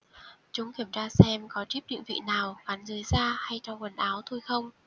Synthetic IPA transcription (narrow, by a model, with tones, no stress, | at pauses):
t͡ɕʊ˨˦ŋ͡mki˧˩əmt͡ɕaː˧sɛ˧mkɔ˨˦t͡ɕi˦˥p̚ɲɨ̰˧˥ŋvḭ˧˨naː˨˩wɣa˨˦nzɨ˨˦jzaː˧ha˧jt͡ɕɔ˧wŋ͡mkə˨˩nʔaː˨˦wt̪ʰo˧jxə˧wŋ͡m